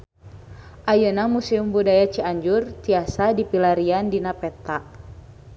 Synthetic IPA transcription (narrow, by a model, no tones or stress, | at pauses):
ʔajənamusiumbudajat͡ʃiaɲd͡ʒurt̪iasadipilaɾiandinapɛt̪aʔ